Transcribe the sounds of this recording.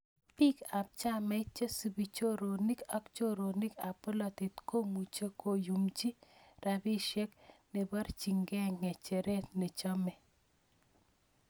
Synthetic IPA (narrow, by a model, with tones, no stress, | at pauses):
pi˦ka˨p̚t͡ʃa˦mɛ˦t͡ʃe˦si˨bi˨t͡ʃo˦ɾo˨ni˦ka˦kt͡ʃo˦ɾo˨nɪ˦ka˨po˦la˨t̪i˨t̪ko˦mu˨t͡ʃe˦ko˦˨ju˨md͡ʒi˦ɾʔa˨bi˦ʃɛ˦kne˨ba˦ɾt͡ʃi˨ŋɡɛ˦ŋɛ˨t͡ʃe˨ɾe˦t̪ne˨t͡ʃɔ˦mɛ˨